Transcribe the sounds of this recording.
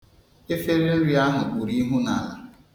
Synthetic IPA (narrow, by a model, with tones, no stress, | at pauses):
e˦fe˦ɾe˦n̩˦ɾi˨a˦ɦʊ˨k͡pu˨ɾi˦ɦu˦na˨la̰˨